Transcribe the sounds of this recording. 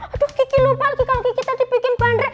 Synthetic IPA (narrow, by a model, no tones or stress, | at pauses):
at̪ʊskikilubalkikalokikit̪ad̪ipikɪnpanɾɛ